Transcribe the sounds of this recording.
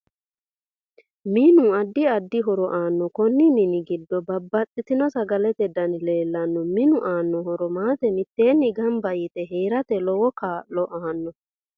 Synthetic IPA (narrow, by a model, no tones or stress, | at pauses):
miːnuɐd̪ːɪɐd̪ːɪɦɔɾɔʔaːnːɔkɔnːɪnɪnɪɡɪd̪ːɔbɐbːɐtʼːɪt̪ɪnɔsɐɡɐlɛt̪ɛd̪ɐnɪle̞ːlːɐnːɔmɪnʊʔaːnːɔɦɔɾɔmaːt̪ɛmɪt̪ːe̞ːnːɪɡɐmbɐjɪt̪ɛɦeːɾɐt̪ɛlɔwɔkaːlɔʔaːnːɔ